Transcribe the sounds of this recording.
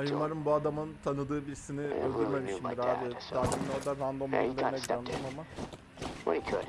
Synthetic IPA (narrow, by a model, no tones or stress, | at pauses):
ajumaɾɯmbuad̪amɯnt̪ʰanɯd̪ɯːbiɾsiniøzd̪yɾme̞miʃimbiɾaːbɛɾd̪aːkʲimnʲoɾd̪aɾand̪o̞ma̰lːˠɾnaɟid̪and̪aɾmama